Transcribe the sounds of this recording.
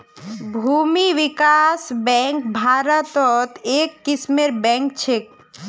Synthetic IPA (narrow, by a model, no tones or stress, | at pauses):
bʱuːmiʋɪkasbɛ̃ŋk̚bʱaːɾət̪ɔt̪eːkːɪsmeɾbɛ̃ːŋk̚t͡ʃʰek̚